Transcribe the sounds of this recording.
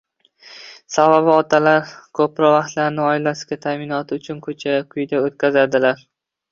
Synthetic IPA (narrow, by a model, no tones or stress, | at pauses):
savabɪɒt̪ʰalaɾkʰɵpɾɒvaχt̪laɾnɪɒɪlasɪ̥ɡʲat̪ʰaːmɪnɒt̪ʰɪʊt͡ʃʰʊnkʰɵt͡ʃʰakʲʰʊjd̪aot̪̚kʲazad̪ɪlaɾ